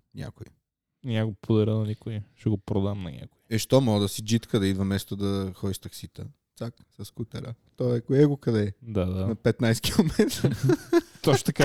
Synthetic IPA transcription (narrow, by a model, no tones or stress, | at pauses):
nʲa̰kʊi | nʲɛaɡopod̪ɐɾɛlˠɐnikʊiʃɛɡopɾod̪amnɐnʲa̰kʊiɛʃt̪ɔmɔɡd̪ɐsid͡ʒit̪kəd̪ɐid̪vɐmɛst̪od̪ɐxɔd̪iʃt̪ɐksit̪ə̰t̪saksɐskut̪ɛ̰ɾət̪ɔɛkʊjɛɡokɐd̪ɛd̪ad̪anɐpɛt̪najsɛ̥k̟ʰʲilˠomɛt̪ɾ | t̪ɔʃt̪ɐka